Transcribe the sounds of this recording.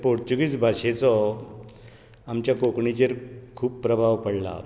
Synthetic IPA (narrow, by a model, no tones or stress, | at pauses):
poɾt͡ɕuɡit͡sbʱaɕet͡sɔ | amt͡ɕjakokɳit͡ɕeɾkʰuːpːɾəbʱaʋpəɽla̰